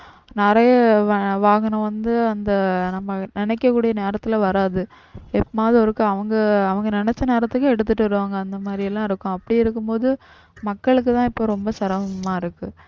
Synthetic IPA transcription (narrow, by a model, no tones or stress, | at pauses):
nɪɾɐjɐʋʋaːɡɐnʊ̃ʋɐnd̪ɯɐnd̪ɐnɐmːɐnɪnɛkːɐkːuːɽijɐneːɾɐt̪ːɪlɐʋɐɾaːðɯ | ɛpːmaːðiɔɾɯkːɯɐʋɐŋɡɐɐʋɐŋɡɐnɪnɛt͡ʃːɐneːɾɐt̪ːɯkːɯɛɽɯt̪ːɯʈːɯɐɾɯʋaːŋɡɐːnd̪ɐmaːd̪ɾɪjɛlːãːɪɾɯkːõɐpːɐɽiɪɾɯkːɯmpoːðɯ | mɐkːɐɭɯkːɯt̪ãːɪpːoːɾɔmbɐsɐɾɐʋɐmaːɪɾɯkːɯ